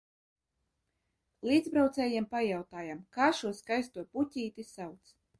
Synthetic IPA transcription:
liːd̪zbɾawt̪sɛːjiɛmpajawt̪aːjamkaːʃuɔskajst̪uɔpucʲiːt̪isawt̪s

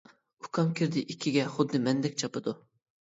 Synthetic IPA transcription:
ukʰɑmkʲʰiɾd̪ɪʔikʲʰːiɡʲɛχʊd̪ːɨmɛnd̪ɛk̚ʲt͡ʃʰɑpɨd̪u

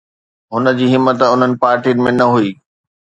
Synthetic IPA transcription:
ɦʊnə̆d͡ʑiːɦɪmːət̪ʊn̤ənɪ̆paːɾʈiənɪ̆mẽnɐɦuiː

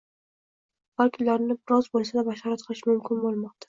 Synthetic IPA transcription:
haɾkʲʰʊnlaɾnɪbɪɾɒzbolˠsɪd̪abaʃɑɾat̪̚qʰɨlɪʃmʊmkʲʰɪnbolˠmɒq̚t̪ʰḁ

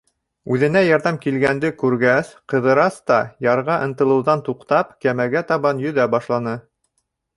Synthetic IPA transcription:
ʉðɘ̆næjɑɾðɑmkilɡænd̪ɘkʉɾɡæsqɤ̆ðɤ̆ɾɑst̪ɑjɑɾʁɑʔɤ̆nt̪ɤ̆lˠɤ̆wðɑnt̪uqt̪ɑpkæmæɡæt̪ɑβɑnjɵ̆ðæbɑʃlˠɑnɤ

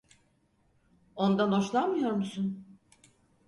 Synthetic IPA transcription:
o̞nd̪ano̞t͡ʃlˠanmɯjo̞ɾmusun

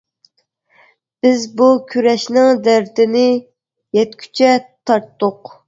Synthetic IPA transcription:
b̥ɪzbukʲʰyɾɛʃnɪŋd̪æɾd̪ɪnɪ | jɛt̪kʲʰy̥t͡ʃʰɛt̪ʰɑɾt̪ːʊq

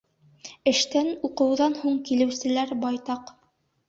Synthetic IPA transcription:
ɘ̆ʃt̪ænuqɤ̆wðɑnhuɴkilɘ̆wsɘ̆læɾbɑjt̪ɑq

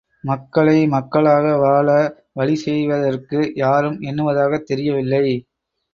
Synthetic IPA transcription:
mɐkːɐɭɐɪmɐkːɐɭaːɣɐʋaːɭɐ | ʋɐɭɪsɛjʋɐðɐrkɯjaːɾɯmɛnːɯʋɐðaːɣɐt̪ːɛɾɪjɐʋɪlːɐɪ

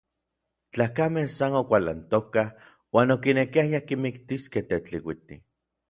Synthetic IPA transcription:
t͡ɬaːkamensanokʷala̰nt̪okah | waːnokinekiajakimikt̪iskeht̪et͡ɬiwit̪i

